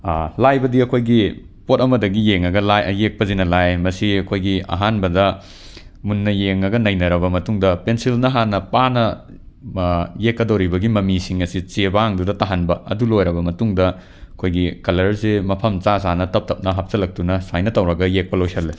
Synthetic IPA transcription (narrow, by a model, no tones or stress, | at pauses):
lajbɐdiɐkʰojɡi | potɐmɐdɐɡijeŋɐɡɐlajʔɐjek̚pɐzinɐlajmɐsiɐkʰojɡiɐ̰ɦanbɐdɐ | munːɐjeŋɐɡɐnɐjnɐɾɐbɐmɐtuŋdɐpensilnɐɦanɐpanɐ | jekːɐdowɾibɐɡimɐmisiŋɐsit͡ʃebaŋdudɐtaɦanbɐɐ̰dulojɾɐbɐmɐtuŋdɐ | ɐkʰojɡikɐlɐɾsemɐpʰɐmt͡ʃasanɐtɐp̚tʰɐp̚nɐɦap̚sɐlɐk̚tunɐsajnɐtɐwɾɐɡɐjek̚pɐlojsɐlːe